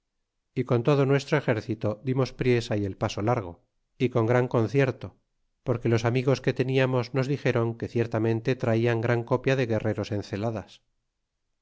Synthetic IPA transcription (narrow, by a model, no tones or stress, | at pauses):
iko̞nt̪o̞ðonwe̞st̪ɾoe̞xe̞ɾθit̪o̞ðimo̞spɾje̞saie̞lpaso̞laɾɣ̞o̞ | iko̞ŋɡɾaŋko̞nθje̞ɾt̪o̞ | po̞ɾke̞lo̞samiɣ̞o̞ske̞t̪e̞niamo̞zno̞zðixe̞ɾo̞ŋke̞θje̞ɾt̪amẽ̞nt̪e̞t̪ɾaiaŋɡɾaŋko̞pjaðe̞ɣe̞re̞ɾo̞se̞n̟θe̞laðas